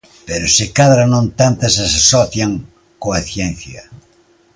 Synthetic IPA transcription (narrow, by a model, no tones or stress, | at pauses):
peɾosɪkaðɾanõnt̪ant̪asasasɔθjaŋ | koaθjẽn̟θjɐ̰